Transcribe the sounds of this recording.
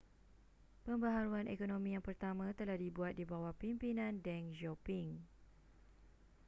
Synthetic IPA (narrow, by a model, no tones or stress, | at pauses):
pəmbəɦaɾuanʔekonõmĩjaŋpərt̪amãt̪əlahdibuat̪̚dibawahpimpinãndɛŋd͡ʒopiŋ